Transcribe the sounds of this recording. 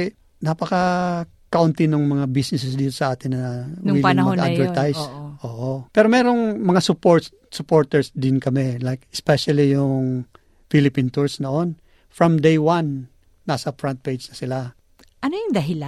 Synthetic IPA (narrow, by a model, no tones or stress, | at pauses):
napɐkɐ | kɐʔʊnt̪ɪnʊŋmɐŋabisnɪsɛsd̪iːt̪o̞̥sɐʔaːt̪ɪnːɐwiːlɪŋmmɐʔa̰d̪vɛt̪ajsʔoːʔopɛːɾo̞mɛːɾo̞ŋmɐŋasʊpoɹ | sʊpoɹt̪ɛɹsd̪ɪnkɐmɛlajkɛspɛʃɐlijʊŋ | filɪpint̪uɹsnoʔo̞n | fɹɐmd̪ejwanː | asɐfɹant̪̚pejd͡ʒnɐsɪla | ʔɐnojʊŋd̪ɐɦɪla